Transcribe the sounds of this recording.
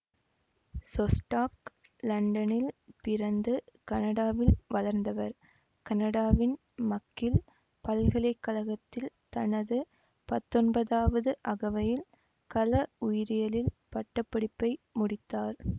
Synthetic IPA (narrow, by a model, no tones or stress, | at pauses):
sɔsʈaːk | lɐɳɖɐnɪlpɪɾɐnd̪ɯkɐnɐɽaːʋɪlʋɐlɐɾnd̪ɐʋɐɾ | kɐnɐɽaːʋɪn | mɐkːɪl | pɐlɣɐlɐɪkːɐlɐɣɐt̪ːɪl | t̪ɐnɐðɯ | pɐt̪ːɔnbɐðaːʋɐðɯʔɐɣɐʋɐjɪl | kɐlɐʊjɪɾɪjɐlɪlpɐʈːɐpːɐɽɪpːɐɪmʊɽɪt̪ːaːɾ